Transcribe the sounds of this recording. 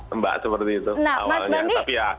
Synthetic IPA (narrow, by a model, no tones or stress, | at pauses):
əmba̰ʔsəpərt̪iːt̪una̰wmasbaniapija